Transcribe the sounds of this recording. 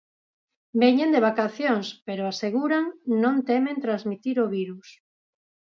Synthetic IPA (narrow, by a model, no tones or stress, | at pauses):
beɲẽnd̪eβakaθjoŋspeɾoaseɣuɾaŋnõnt̪emẽnt̪ɾazmit̪iɾoβiɾus